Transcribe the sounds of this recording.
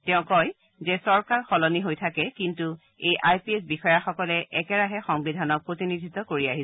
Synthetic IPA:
tɛʊ̃kɔj | zɛsɔɹkaɹxɔlɔniɦojtʰakɛkintu | ejʔajpiɛsbixɔjaxɔkɔlɛʔɛkɛɹaɦɛxɔŋbidʱanɔk̚pɹotinidʱitɔkoɹiaɦi

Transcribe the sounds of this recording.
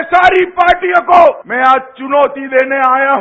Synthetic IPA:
saːɾipaːɾʈijõkoːmɛ̃ːaːd͡ʒt͡ʃʊnoːt̪id̪eːneaːjaɦ

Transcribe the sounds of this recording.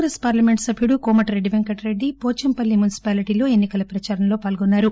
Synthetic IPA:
ɡɾespaːɾlɐme̞ɳʈsɐbʱijuɽukɔːmɐʈɾe̞ɖːiʋeŋkɐʈɾe̞ɖːipoːt͡ʃɐmpɐlːimunisi̥paːliʈiːlo̞ːe̞nːikɐlɐpɾɐt͡ʃaːɾɐmlo̞ːpaːlɡɔnːaːɾu

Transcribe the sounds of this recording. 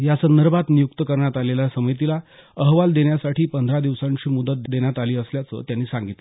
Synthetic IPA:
jasənd̪əɾbat̪nijuk̚t̪əkəɾɳjat̪aleljasəməjt̪ila | əɦʋald̪eɽjasaʈʰiːpənd̪ʱɾad̪iʋsãɲt͡ɕiːmud̪ət̪̚d̪eɳjat̪aliːəsljat͡sə̰ːt̪janːiːsãŋɡit̪le

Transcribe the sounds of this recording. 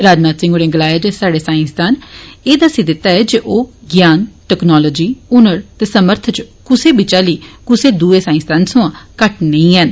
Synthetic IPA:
ɾaːd͡ʒnaːt̪sɪ̃ŋɡoɽẽːɡəlaːjeːd͡ʒeːsaːɖeːsaːɪ̃st̪aːneːd̪aːsiːd̪ɪt̪ːaːɛːd͡ʒeʔoːɡjaːnʈɛːknɔːlɔːd͡ʒiːʊnəɾt̪eːsəməɾt̪ʰt͡ʃkʊseːbɪt͡ʃaːliːkʊseːd̪uːeːsaːɪ̃nst̪ʰaːnsʊ̃ãːkəʈnəĩːɦɛn

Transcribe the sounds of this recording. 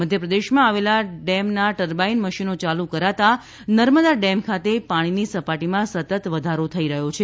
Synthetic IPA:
məd̪ʱjəpɾəd̪eʃmãaʋelaɖɛmnaʈəɾbainməʃinot͡ʃalukəɾat̪a | nəɾməd̪aɖɛmkʰat̪epaɽ̃inisəpaʈimãsət̪ət̪ʋəd̪ʱaɾot̪ʰəiɾəɦot͡ʃʰe

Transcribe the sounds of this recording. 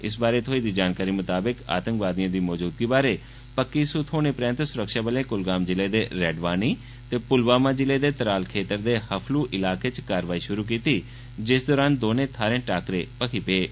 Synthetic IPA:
ɪsbaːɾeːt̪ʰoːiːd̪iːd͡ʒaːnkaːɾiːmʊt̪aːbɪka̰ːt̪ə̃ŋkʋaːd̪ɪjãːd̪iːmɔːd͡ʒuːd̪ɡiːbaːɾeː | pəkːiːsʊt̪ʰoːneːpɾɛ̃ːnt̪sʊɾəkʃaːbəlẽːkʊlɡaːmd͡ʒɪleːd̪eːɾɛːɖʋaːniː | t̪eːpʊlbaːmãːd͡ʒɪleːd̪eːt̪əɾaːlkʰeːt̪əɾd̪eːhəpʰluːʔɪlaːkeːt͡ʃkaːɾʋaːiːʃʊɾuːk̬iːt̪iː | d͡ʒɪsd̪ɔːɾaːnd̪oːnẽːt̪ʰaːɾẽːʈaːkɾeːpəkʰiːpeː

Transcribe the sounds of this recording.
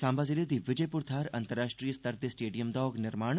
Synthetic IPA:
sãːmbaːziled̪iːʋɪd͡ʒəjpuɾt̪ʰaːɾɐ̃nt̪əɾːaːʃʈɾijəst̪əɾd̪esʈeːɖijəmd̪ɔːɡnɪɾmaːɳ̃

